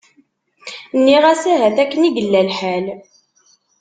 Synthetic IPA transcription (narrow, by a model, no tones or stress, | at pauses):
nːiʁæsæɦæθækːəniɡəlːælħæl